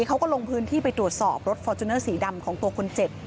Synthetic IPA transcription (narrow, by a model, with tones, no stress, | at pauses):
kʰa˦˥wkɔː˥˩lo˧ŋpʰɯː˦˥nt̪ʰiː˥˩pa˧jt̪ɾu˨˩ət̪̚sɔː˨˩p̚ɾo˦˥t̪̚fɔː˧t͡ɕ̪ʰu˧nɤː˥˩siː˩˦da˧mkʰɔː˩˦ŋt̪u˧ɐkʰo˧nt͡ɕe˨˩p̚